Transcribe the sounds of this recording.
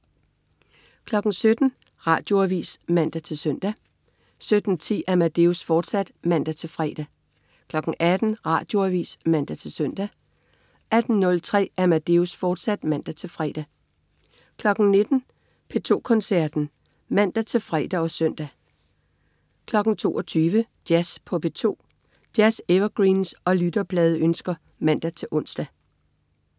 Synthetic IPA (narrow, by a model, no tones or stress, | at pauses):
kʰlɒ̽ɡ̥n̩sød̥n̩ | ʁɑ̈ːd̥jo̝æʋḭːsmæn̰d̥æt͡sʰe̝lsøn̰d̥æ | sød̥n̩t͡sʰḭːæmæd̥e̝usfɒːd̥sæd̥mæn̰d̥æt͡sʰe̝lfʁɛ̰ːd̥æ | kʰlɒ̽ɡ̥ŋ̩ʔæd̥n̩ʁɑ̈ːd̥jo̝æʋḭːsmæn̰d̥æt͡sʰe̝lsøn̰d̥æ | æd̥n̩nːɔ̽lt͡sʰʁɛ̰ːʔæmæd̥e̝usfɒːd̥sæd̥mæn̰d̥æt͡sʰe̝lfʁɛ̰d̥æ | kʰlɒ̽ɡ̥n̩ne̝d̥n̩ | pʰe̝t͡sʰo̝̰ːkʰɒ̽nsæɐ̰d̥n̩ | mæn̰d̥æt͡sʰe̝lfʁɛ̰ːd̥æɒ̽sœn̰d̥æ | kʰlɒ̽ɡ̥n̩t͡sʰo̝̰ːɒt͡sʰyːʋəd̥jæspʰɒ̽b̥e̝t͡sʰo̝̰ː | d̥jæseʋɐɡ̥ʁiːnsɒ̽lyd̥ɐb̥lɛːð̞ˠønsɡ̥ɐ | mæn̰d̥æt͡sʰe̝lʔɔ̽n̰sd̥æ